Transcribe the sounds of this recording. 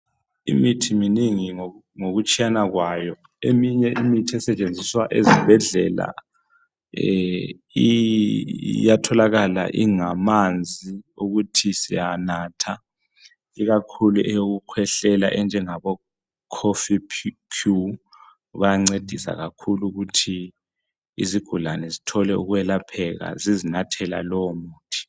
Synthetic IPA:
ḭmitʰiminiŋi | ŋoɣut͡ʃʰʼijanaɣwajɔ | emiɲɛʔimitʰiɛsɛt͡ʃʼend͡zʱiswaʔezibʱɛɮɛla̰ | i | jatʰɔlaɣala̰ʔḭŋamand͡zʱiuɣutʰisijanaːtʰa | iɣakʰuluʔɛjoɣukʰwɛɬɛla̰ʔɛnd͡ʒʱɛŋaβɔ | kʰofipʰ | kʰu | βajaŋ͡ǀed̥ʱisa̰ɣakʰuluɣutʰi | iziɡ̥ʱulanɛzitʰɔlɛuɣuwɛlapʰɛɣa̰zizinatʰɛla̰lɔwmuːtʰi̥

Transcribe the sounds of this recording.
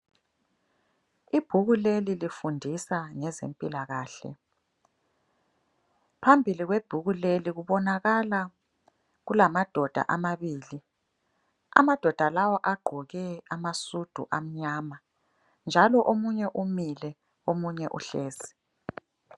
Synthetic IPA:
ib̥ʱuɣulelilifundʱisaŋɛzḛmpʼilaɣaːɬɛ̰ | pʰambʱiliɣweb̥ʱuɣuleliɣuβɔnaɣala | ɣulamad̥ʱɔd̥ʱa̰ʔamaβiːli | a̰mad̥ʱɔd̥ʱalawɔʔaɡ͡ǃʱɔɣɛamasud̥ʱṵʔam̩ɲaːma | nd͡ʒʱalɔʔomuɲɛʔumilɛ | omuɲɛʔṵɬeːzi̥

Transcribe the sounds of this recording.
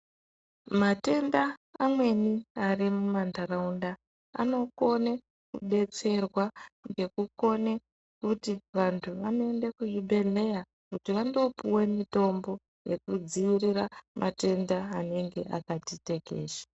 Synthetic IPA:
mate̞ndaːmwe̞niarimumandaraunda | a̰no̞ko̞ne | kṵɓe̞t͡se̞rwaŋɡe̞kuko̞ne̞ | kutiʋantʰuʋano̞e̞nde̞kuʐiɓe̞ɮe̞ja | kutiʋando̞puwe̞mito̞mbo̞ | je̞kud͡ziʋiriramʔate̞ndaane̞ŋɡe̞ʔa̰katite̞kḛːʃḁ

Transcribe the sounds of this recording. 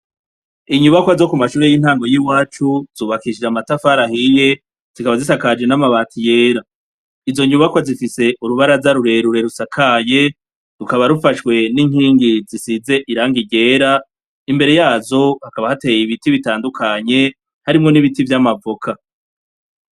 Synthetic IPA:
iɲuβakoazo̞kumaʃuːɾe̞jinhaːŋɡo̞jiwaːt͡ʃuz̥uːβakiʃd͡ʒamatafaɾahije̞ | z̥ikaβazisakad͡ʒe̞namaβaːtʰije̞ːɾa | izo̞ɲuβakozifise̞ʔuɾuβaɾazaɾuɾe̞ɾuɾe̞ɾusakʰaje̞ | ɾukaβaɾufaʃwe̞niŋhiːŋɡizisize̞ʔiɾaːŋɡiɟe̞ːɾa | imbe̞ɾe̞jaːzo̞hakaβahate̞jiβitiβitaːndukʰaɲe̞ | haɾimŋo̞niβitivjamavokʰa

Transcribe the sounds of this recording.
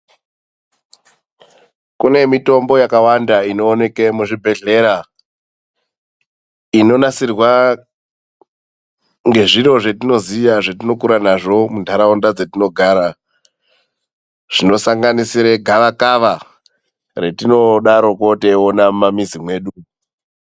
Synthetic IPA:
kune̞mito̞mbo̞jakawandaino̞ːne̞ke̞muʐibʱe̞ɮe̞ɾa | ino̞nasirwa | ŋɡe̞ʐiɾo̞ʐe̞tino̞zijaʐetino̞kuɾanaʐo̞mundʱaɾaondad͡zetinoɡʱaɾa | ʐ̥ino̞saŋɡanisiɾe̞ɡʱaʋakaʋa | re̞tino̞ɗaɾo̞ko̞teonamamizimwe̞ːɗu

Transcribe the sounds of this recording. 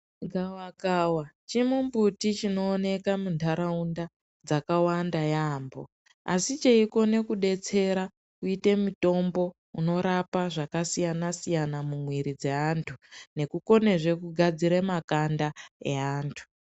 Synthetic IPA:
ɡʱawaɡʱawat͡ʃimumbutit͡ʃino̞ːne̞kamuntʰaɾaunda | d͡zakawandajaːmbo̞̰ | a̰sit͡ʃeiko̞ne̞kuɗe̞t͡se̞ɾa | kuite̞muto̞mbo̞ | uno̞ɾapaʐakasijanasijanamumwiɾid͡ze̞antʰune̞kuko̞ne̞ʐe̞kuɡʱad͡ziɾemakandaḛaːntʰu̥

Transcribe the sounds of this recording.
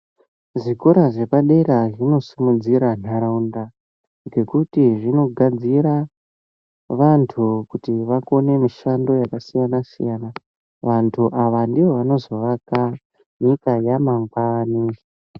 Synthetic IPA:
ʐikoɾaʐe̞paɗe̞ɾaʐino̞simud͡ziɾan̤aɾaunda | ɡe̞kutiʐino̞ɡʱad͡ziɾa | ʋantʰukutiʋako̞ne̞miʃando̞jakasijanasḭjana | ʋantʰuʔaʋandiʋo̞ʋano̞zo̞ʋaka | nikajamaŋɡaːni

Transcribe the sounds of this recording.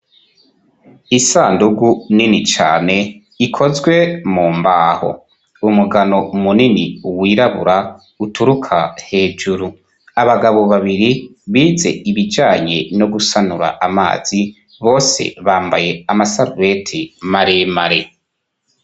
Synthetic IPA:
isaːnduɡuninit͡ʃa̰ːne̞ | ikʰo̞zɡwe̞muːmbaːho̞̰ | umuɡano̞muninḭuwiːɾaβṵɾa | utʰuɾukʰahe̞ːd͡ʒuɾu | aβaɡaβo̞βaβiɾiβiːze̞̰iβid͡ʒaːɲe̞no̞ɡusanuɾa̰ʔama̰ːz̥i | βo̞ːse̞̰βaːmba̰je̞amasaɾuve̞tʰimaɾemaɾe

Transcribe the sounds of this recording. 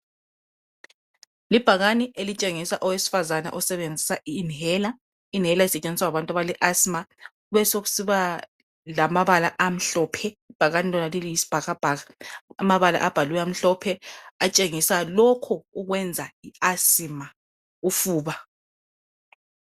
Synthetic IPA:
lib̥ʱaɣaniʔelit͡ʃʼeŋisaʔɔwesi̥fazana̰ʔɔsɛβend͡zʱisainɛla | inɦɛlaisɛt͡ʃʼend͡zʱiswaaβantʼaβaliʔasima | uβɛsoɣu̥siβa | lamaβalaʔam̩ɬɔːpʰɛib̥ʱaɣanilɔnalilijisi̥b̥ʱaɣab̥ʱaɣaamaβala̰ʔab̥ʱalujɛam̩ɬɔpʰɛat͡ʃʼeŋisalɔkʰɔuɣwɛnd͡zʱaiasima | ufuːβa

